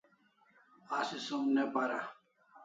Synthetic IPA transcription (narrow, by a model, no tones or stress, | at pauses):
asisomnepaɾa̰